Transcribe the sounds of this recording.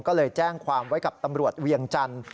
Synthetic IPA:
ŋkɔː˥˩lɤː˧jt͡ɕɛː˥˩ŋkʰwaː˧mwa˦˥jka˨˩p̚t̪a˧mɾu˨˩ət̪̚wi˧əŋt͡ɕa˧n

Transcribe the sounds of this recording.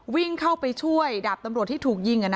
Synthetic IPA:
wi˥˩ŋkʰa˥˩wpa˧jt͡ɕʰu˥˩əjda˨˩p̚t̪a˧mɾt̪ʰːiː˥˩t̪ʰuː˨˩k̚ji˧ŋʔa˨na˧

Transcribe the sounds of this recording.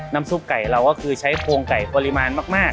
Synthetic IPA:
na˦˧˥msu˦˥˩p̚ka˨˩jɾa˧wkɔ˥˩kʰɯː˧t͡ɕʰa˦˥jpʰoː˧ŋka˨˩jpɔː˧li˧maː˧nmaː˥˩k̚maː˥˩k̚

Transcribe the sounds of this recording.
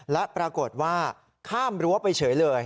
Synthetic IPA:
lɛ˦˥ʔpɾa˧ko˨˩t̪̚waː˥˩ | kʰaː˥˩mɾɯu˦˥˦a˥˩pa˧jt͡ɕʰɤː˩˦jlɤː˧j

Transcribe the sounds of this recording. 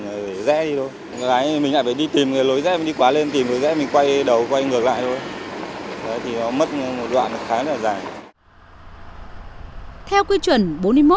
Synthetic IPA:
ŋ˨˩e˧˩zɛ̰˧˥ɗi˧t̪o˧j | kɔ˨˦kaː˨˦jmï˨˩la̰ː˧˨˩faː˧˩ɗi˧t̪i˨˩mŋaː˨˩jlo˨˦jzɛ̰˧˥mi˨˩ɗi˧kwaː˨˦le˧nt̪i˨˩mkɨ˨˩˦jzɛ̰˧˥mï˨˩ŋ̟kwa˧jɗə˨˩wkwa˧jŋɨ˨˩ək̚la̰ː˧˨jt̪ʰo˧j | ʔə˨˦jt̪ʰi˨˩nɔ˨˦mə˦˥t̚mo˨˩t̚ɗwa̰ː˧˨nɨ˨˦xaː˨˦ŋə˦˥laː˨˩zaː˨˩j | t̪ʰɛ˧wki˧t͡ɕwə˨˩nɓo˨˦nmɨ˧jmo˦˥

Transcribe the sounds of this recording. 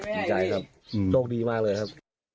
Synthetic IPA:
i˧˩t͡ɕa˧jkʰa˦˥p̚ | t͡ɕʰoː˥˩k̚diː˧maː˥˩k̚lɤː˧jkʰa˦˥p̚

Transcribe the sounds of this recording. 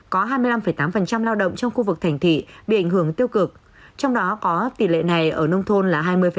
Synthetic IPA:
kɔ˨˦ɦaː˧jmɨ˧əla˧mfə˧˩jt̪aː˨˦mfə˨˩nt͡ɕa˧mlaː˧wɗə̰˧˨wŋ͡mt͡ɕɔ˧wŋ͡mxu˧vɨ˨˩k̚t̪ʰa˨˩ŋ̟t̪ʰḭ˧˨ɓḭ˧˨ʔa˧˩jŋ̟hɨ˧˩əŋt̪i˧əwkɨ˨˩ək̚ | t͡ɕɔ˧wŋ͡mɗɔ˨˦kɔ˨˦t̪i˨˩lḛ˧˨na˨˩jʔəː˧˩nə˧wŋ͡mt̪ʰo˧nlaː˨˩ɦaː˧jmɨ˧əjfə˨

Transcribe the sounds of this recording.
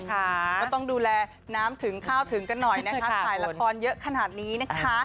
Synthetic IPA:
kɔ˧˩t̪ɔ˥˩ŋduː˧lɛː˧ | naː˦˥mt̪ʰɯ˩˦ŋkʰaː˥˩wt̪ʰɯ˨˩˦ŋka˧nːɔ˨˩jna˦˥kʰa˦˥sʰaː˨˩jla˧kkʰɔː˧njɤ˦˥ʔkʰa˧naː˨˩t̪̚niː˦˥na˦˥kʰa˦˥

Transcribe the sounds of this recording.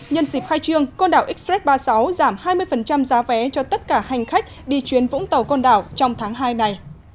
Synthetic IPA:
ɲə˧nsi˨˩p̚xaː˧jt͡ɕɨ˧əŋkɔ˧nɗaː˧˩wʔï˦˥k̚spɾɛ˦˥t̚ɓaː˧sa˨˦wzaː˧˩mhaː˧jmɨ˧əjfə˨˩nt͡ɕa˧mzaː˨˦vɛ˨˦t͡ɕɔ˧t̪ə˦˥t̚kaː˧˩ha˨˩jŋ̟xa˦˥k̟̚ɗi˧t͡ɕwi˨˦ənvʊ̰˧˥ŋ͡mt̪ə˨˩wkɔ˧nɗaː˧˩wt͡ɕɔ˧wŋ͡mt̪ʰaː˨˦ŋɦaː˧jna˧˩j

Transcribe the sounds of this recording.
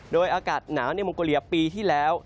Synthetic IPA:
ɗoː˧jʔaː˧kaː˨˩t̪̚naː˩˦wni˧m˧koː˧li˧˦əp̚piː˧t̪ʰiː˥˩lɛː˨˦˥w

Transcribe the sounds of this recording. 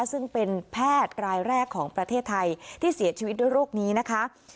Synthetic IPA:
sɯ˥˩ŋpe˧npʰɛː˥˩t̪̚kɾaː˧jɾɛː˥˩kʰːɔː˩˦ŋpɾa˧t̪ʰeː˥˩t̪ʰːa˧jt̪ʰiː˥˩si˩˦ɐt͡ɕʰiː˧wt̪̚nu˥˩jɾoː˥˩k̚niː˦˥na˦˥kʰa˦˥

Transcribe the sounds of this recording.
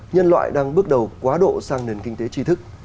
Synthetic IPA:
ɲə˧nlwa̰ː˧˨jɗaː˧ŋɓɨ˦˥ək̚ɗə˨˩wkwaː˨˦ɗo̰˧˨saː˧ŋne˨˩nkï˧ŋ̟t̪e˨˦t͡ɕi˨˧˦t̪ʰɨ˦˥k̚

